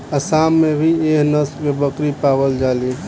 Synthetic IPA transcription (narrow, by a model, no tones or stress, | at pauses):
əsamːebʱieɦnəskebəkɾipabəld͡ʒali